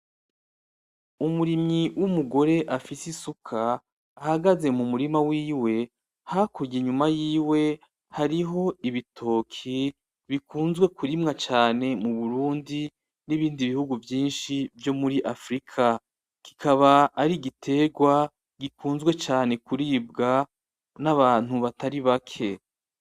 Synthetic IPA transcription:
umuɾimiwʔumuɡo̞ɾe̞ʔafisisukʰaː | haɡaze̞mumuɾimawiːwe̞ | hakuɾɟiɲumajiːwe̞ | haɾiɦo̞iβitʰo̞ːkʰi | βikuːnzɡwe̞kʰuɾimŋat͡ʃaːne̞muβuɾuːndi | niβiːndiβihuɡuvjiːnʃivjo̞muɾiʔafɾikʰa | ki̥kʰaβaːɾiɡitʰe̞ɡwa | ɡikuːnzɡwe̞t͡ʃaːne̞kuɾiːb̚ɡa | naβaːn̥huβataɾiβakʰe̞

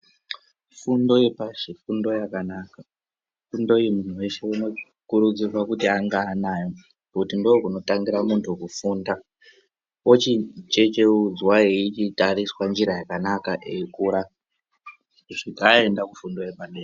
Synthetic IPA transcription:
fundo̞jepaʐifundo̞jakanaka | fundo̞imun̤uwe̞ʃe̞ino̞ | kuɾud͡zirwakutiaŋɡaːnajo | pakutindoːkuno̞taŋɡiɾamuntʰukufunda | ot͡ʃit͡ʃe̞t͡ʃeud͡zwaeit͡ʃitariswand͡ʒiɾajakanakaʔeikuːɾa | ʐikae̞ndakufundo̞jepandeː

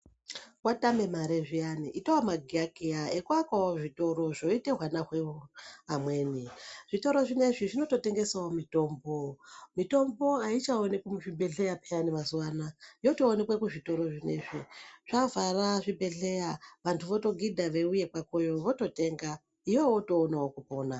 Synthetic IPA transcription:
watame̞maɾeʐijaniʔitowamaɡʱiakiaekuakwawoʐito̞ɾo̞ʐo̞iteɦwanaxweoamwe̞ːniʐ̥ito̞ɾo̞ʐine̞ʐiʐino̞to̞te̞ŋɡe̞saomito̞mbomito̞mbo̞ait͡ʃaonekemuʐibʱe̞ɮe̞japʰejanimazuwaːnajo̞toːne̞kwekuʐito̞ɾo̞ʐine̞̰ʐiʐ̥avaraʐibʱe̞ɮe̞jaʋantʰuʋo̞to̞ɡidʱaʋe̞uje̞kwako̞jo̞ʋo̞to̞te̞ŋɡa | ijewoto̞ːnawokupo̞ːna

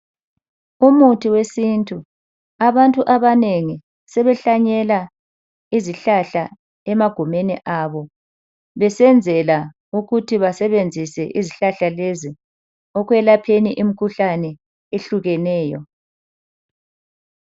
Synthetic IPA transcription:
umutʰiwesintʼu | aβantʼuʔaβaneŋi | sɛβɛɬaɲɛla | iziɬaɬa | ɛmaɡ̥ʱumeniʔaβɔ | βɛsɛnd͡zʱɛla | uɣutʰiβasɛβend͡zʱisɛʔiziɬaɬalezi | ɔɣwɛlapʰeniʔimikʰuɬanɛ | eɬuɣɛnɛːjɔ

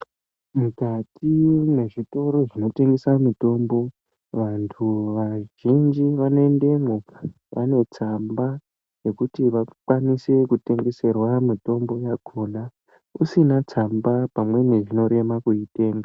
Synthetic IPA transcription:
mukatʰine̞ʐito̞ɾo̞ʐino̞te̞ŋɡesamito̞mbo̞ | ʋantʰuʋaʒind͡ʒiʋane̞nde̞ŋɡoa | ʋa̰ne̞t͡samba | je̞kutiʋakwanise̞kute̞ŋɡe̞se̞rwamito̞mbo̞jaɡʱona | usinat͡sambapamwe̞neʐino̞ɾe̞makuite̞ːŋɡa

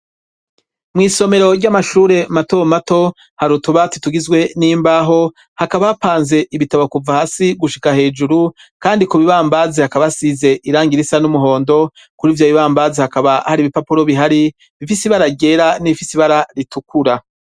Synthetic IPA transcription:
mŋiːso̞me̞ɾo̞ɾɟamaʃuːɾe̞matomato̞ | haɾutuβatituɡizɡwe̞niːmbaːɦo̞ | hakaβaapaːnze̞ʔiβitaβokuvahaːsiɡuʃikahe̞ːd͡ʒuɾu | kaːndikuβiβaːmbaːzehakaβasize̞ʔiɾaːŋɡiɾisanumuɦo̞ːndo̞ | kuɾiːvjoβiβaːmbazehakaβahaɾiːβipapuɾo̞βiɦaɾi | βifisiβaɾaɟe̞ɾaniifisiβaɾaɾitukuɾa

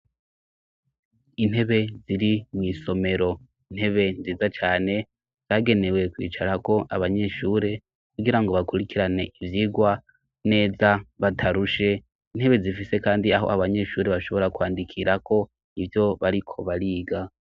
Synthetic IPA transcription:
inhe̞βe̞ziɾimŋiːso̞me̞ɾo̞ | in̥he̞βe̞nziːzat͡ʃaːne̞ | z̥aɡe̞ne̞we̞kwḭːt͡ʃaɾako̞ʔaβaɲe̞ʃuːɾe̞ | kuɡiɾaŋɡo̞βakuɾikiɾane̞ʔivjiɡwa | ne̞ːzaβatʰaɾuʃe̞ | inhe̞βe̞zifise̞kaːndiaɦo̞̰aβaɲe̞ʃuːɾeβaʃo̞βo̞ɾakwaːndikʰiɾakʰo̞ | ivjo̞βaɾikʰo̞βaɾiːɡa

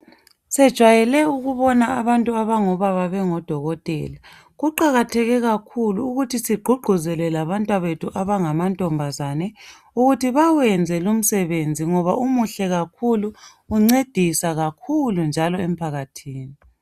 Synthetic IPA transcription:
sɛd̥ʒ̥ʱwajɛlɛuɣuβɔnaaβantʼuaβaŋɔβaβaβɛŋɔd̥ʱɔɣɔtʼɛ̰ːla | ɣuǃaɣatʰɛɣɛɣakʰuluːɣutʰisiɡ͡ǃʱuɡ͡ǃʱuzɛlɛlaβantʼwaβetʰuʔaβaŋamantʼɔmbʱazanɛ | uɣutʰiβawɛnd͡zʱɛlum̩sɛβend͡zʱiŋɔβaʔumuɬɛɣakʰuluː | ŋ͡ǀed̥ʱisaɣakʰulund͡ʒʱalɔem̩pʰaɣatʰiːni

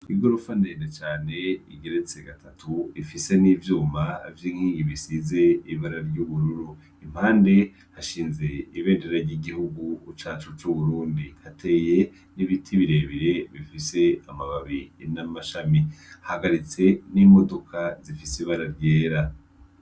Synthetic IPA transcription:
iɡoɾufandeːndet͡ʃaːne̞iɡe̞ɾe̞t͡se̞ɡatʰatʰuifise̞niːvjuːma̰vjiːŋ̥hiːŋɡiβisize̞iβaɾaɾɟuβuɾuɾu | im̥haːnde̞ | haʃiːnze̞iβe̞ːndeɾaɾɟiɡihuɡuːt͡ʃaːt͡ʃut͡ʃuβuɾuːndihatʰe̞ːje̞ | niβitʰiβiɾe̞βiɾe̞βifise̞amaβaβinamaʃamihahaɡaɾit͡se̞nimo̞do̞kʰazifisiβaɾaɾɟeːɾa

